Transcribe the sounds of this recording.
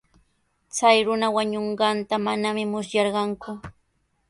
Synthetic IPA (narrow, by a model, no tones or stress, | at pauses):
t͡sajɾʊnawaɲoɴɢɑnt̪amanamɪmʊsjɑɾɢɑŋkʊ